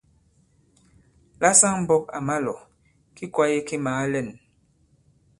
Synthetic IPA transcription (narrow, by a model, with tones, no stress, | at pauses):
la˦sa˦ŋm̩˦bɔ˦k̚a̰˨ma˦lɔ˨ | ki˦kwa˦je˦ki˦maː˨˦lɛ˦˨n